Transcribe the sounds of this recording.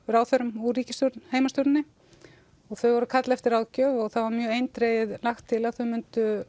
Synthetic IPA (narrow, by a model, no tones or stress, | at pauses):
ɾawθœɾʏmuɾiːcɪst̪oɾt̪nheːjmast̪ɔɾnɪ | ɔɣθœɥvɔɾʏkʰat̪lɛft̪ɪɾawðcœːvɔɣθavaɾmjœːejnt̪ɾejɪðlaxt̪ʰːɪlaðθœɥmʏnt̪ʏ